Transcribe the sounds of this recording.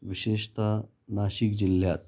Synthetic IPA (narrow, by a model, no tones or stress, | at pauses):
ʋiɕeʂt̪a | naɕikd͡ʑilːjat̪̚